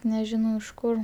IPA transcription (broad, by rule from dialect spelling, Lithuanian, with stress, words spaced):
nʲɛˈʒʲɪnɐʊ ɪʃ kʊr